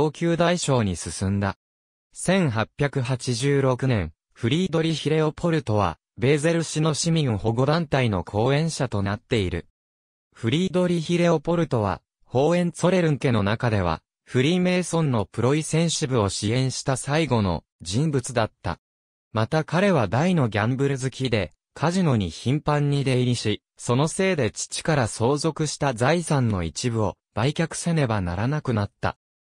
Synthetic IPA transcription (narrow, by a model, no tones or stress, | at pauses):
oːkʲɨːd̪aiɕo̞ːɲ̟isɨsɨ̃nd̪a̰ | sẽ̞ɰ̃ɦapʲːjakɯ̟ɦat͡ɕiʑɨːɾo̞kɯ̟nẽ̞ɰ | ɸɯ̟ɾʲiːd̪o̞ɾʲiçiɾe̞o̞pʰo̞ɾɯ̟t̪o̞β̞a̰ | be̞ːze̞ɾɯ̟ɕino̞ɕimʲĩŋho̞ɡo̞d̪ãnt̪aino̞̰kʰo̞ːẽ̞ɰ̃ɕat̪o̞nat̪ːe̞iɾɯ̟̰ | ɸɯ̟ɾʲiːd̪o̞ɾʲiçiɾe̞o̞po̞ɾɯ̟t̪o̞βa̰ | ho̞ːẽ̞nt͡so̞ɾe̞ɾɯ̟ŋ̟ke̞no̞nakad̪e̞β̞a̰ | ɸɯ̟ɾʲime̞ːsõ̞nːo̞pɯ̟ɾo̞isẽ̞ɰ̃ɕibɯ̟o̞ɕiẽ̞ɰ̃ɕi̥t̪asaiɡo̞no̞̰ | d͡ʑĩmbɯ̟t͡sɨd̪at̪ːa̰ | mat̪akaɾe̞βad̪aino̞ɡʲãmbɯ̟ɾɯ̟zɨkʲid̪e̞ | kʰaʑino̞ɲ̟içĩmpãɲ̟ːid̪e̞iɾʲiɕi | so̞no̞se̞ːd̪e̞t͡ɕi̥t͡ɕi̥kaɾaso̞ːzo̞kɯ̟ɕi̥t̪azaisãnːo̞̰it͡ɕibɯ̟o̞ | b̥aikʲakɯ̟̥sene̞bana̰ɾanakɯ̟nat̪ːa̰